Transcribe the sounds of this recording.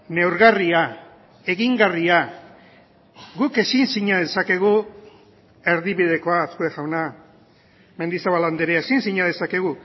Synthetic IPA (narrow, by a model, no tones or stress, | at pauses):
ne̞wɾɣaria | e̞ɣiŋɡaria | ɡuke̞sinsiɲaðe̞sake̞ɣ̞u | e̞ɾðiβið̞e̞ko̞aaskoexawna | me̞nd̪isaβaland̪eɾeaesinsiɲað̞e̞sake̞ɣu